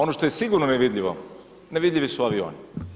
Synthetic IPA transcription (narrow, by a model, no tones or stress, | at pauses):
o̞noʃt̪o̞jesiɡuɾnoneʋid̪lʎʲiʋo̰ | neʋid̪lʎʲiʋisuaʋio̰ːni